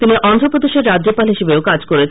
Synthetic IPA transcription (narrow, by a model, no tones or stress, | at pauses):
t̪iniʔɔnd̪ʱɾopɾod̪eʃeɾːad̪ːd͡ʑopalɦiʃebeokad͡ʑkoɾet͡ɕʰ